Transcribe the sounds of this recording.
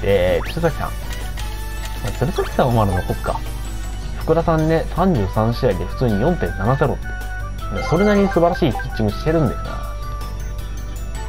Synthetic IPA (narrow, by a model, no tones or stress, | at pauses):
eti̥ɾesakʲsã̰ŋ | mat͡siɾɯsakʲi̥sãomaɾɯnokokːa̰ | ɸɯ̥kɯ̟ɾasãnːe̞sãɲ̟d͡ʑɨːsãɰ̃ɕiɾaid̪eɸɯ̟̥t͡sɨːɲ̟ijõ̞nt̪ẽ̞nːanaze̞ɾo̞̰e | moso̞ɾe̞naɾʲisɨbaɾaɕiːkʲi̥t͡ɕt͡ɕːiŋɡɯ̟ɕi̥t̪e̞ɾɯ̟̃nd̪e̞sɨna̰